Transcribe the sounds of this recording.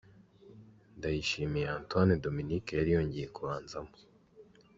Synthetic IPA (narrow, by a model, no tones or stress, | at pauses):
ndajiʃiːmijeaːntwanedominikejaɾijoːɲɟejekuβaːnzamo